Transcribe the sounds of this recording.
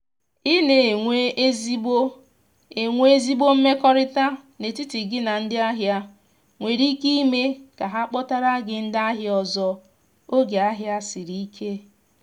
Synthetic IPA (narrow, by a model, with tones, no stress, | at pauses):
i˦ne˨ŋʷe˦e˦zi˦bo˦ | e˨ŋʷe˦e˦zi˦bo˦m̩˦me˦kɔ˦ɾɪ˦ta˦ne˨ti˦tɪ˨ɡɪ˦na˨n̩˦dɪ˦a˦ɦja˦ | ŋʷe˨ɾi˦ki˦i˦me˦ka˨ɦa˦k͡pɔ˦ta˦ɾa˦ɡɪ˨n̩˦da˦ɦɪ˦ɔ˨zɔ˦ | o˦ɡe˨a˦ɦja˦sɪ˨ɾi˨i˦kʰe˦